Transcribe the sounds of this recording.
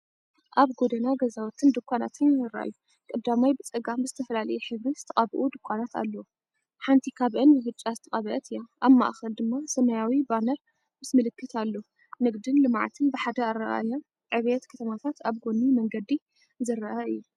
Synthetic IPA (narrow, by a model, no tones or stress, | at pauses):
ʔaβɡod̪ɐnaɡɐzawɔt̪ʰɨnd̪ɨkʷʰːanat̪ʰɨnzɨɾɐ̰ʔa̰ju | kʼɐbd̪amajbɨt͡sʼɐɡambɨzɨt̪ʰɐfɐlalɐjɛħɨβɾizɨt̪ʰɐχʼaβʔud̪ɨkʷʰːanat̪a̰lːɐw | ħant̪ʰikʰaβʔɨnbɨbɨt͡ʃʼːazɨt̪ʰɐχʼɐβɐʔɐt̪ʰɨjaʔaβma̰ʔxɐld̪ɨmːasɐmɐjawibanɐɾ | mɨsmɨlɨkːɨt̪alːo | nɨɡd̪ɨnlɨma̰ʕt̪ʰɨnbɨħad̪ɐaɾɐʔa̰jon | ʕɨβet̪kʰɐt̪ʰɐmat̪ʰat̪ʰaβɡonːimɐŋɡɐd̪i | zɨɾɐʔɐɨjːu